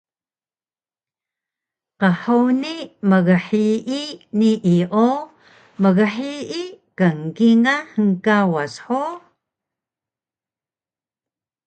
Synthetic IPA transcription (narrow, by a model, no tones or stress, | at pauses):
qəħəwniməɣəħiʔiniʔiʔo | məɣəħiʔikaŋkiŋahəŋkawasħo